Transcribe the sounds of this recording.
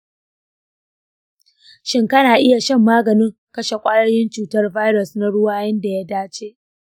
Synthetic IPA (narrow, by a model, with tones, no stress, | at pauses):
ʃɪ˦ŋkɐ˦naː˨ʔɪ˦ja˨ʃɐ˦mːaː˦ɡɐ˨nɪ˦ŋ | kɐ˦ʃe˨kʷʼaː˦jɐ˦jɪ˦nt͡ʃuː˨tɐ˦rva˦jɾɐ˨sna˦ɽʊ˦waː˦jɐ˦nda˨ja˦daː˦t͡ʃeː˦ʔ